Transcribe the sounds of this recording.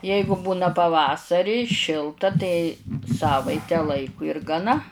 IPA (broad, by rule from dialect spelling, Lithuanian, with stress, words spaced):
ˈjɛɪɡʊ ˈbuːnɐ pɐˈʋɑːsɐrʲiː ˈʃʲɪlˠtɐ tɐɪ ˈsɑːʋɐɪtʲɛ ˈlˠɐɪkʊ ɪr ɡɐˈnɐ